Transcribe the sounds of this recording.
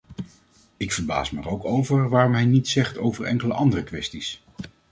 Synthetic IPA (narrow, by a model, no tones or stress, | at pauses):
ɪkfəɹba̰ːsma̰ːɹowkowvəɹʋaːrɔmɦɛjnitsɛχto̰wvəɹɛ̰ŋkələʔɑndərəkʋɛstis